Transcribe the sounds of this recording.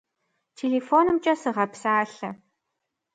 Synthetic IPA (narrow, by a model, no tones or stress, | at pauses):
tʰeːɮeːfoːnɨmt͡ʃʼɐsɨʁɐpsaːɬɐ